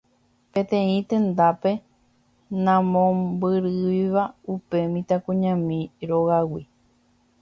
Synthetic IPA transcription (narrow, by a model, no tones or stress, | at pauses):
pẽ̞t̪ẽ̞ĩt̪ẽ̞nd̪ape̞ | nãmõbɨɾɨiʋaupe̞mĩt̪akũɲãmĩɾoɣawi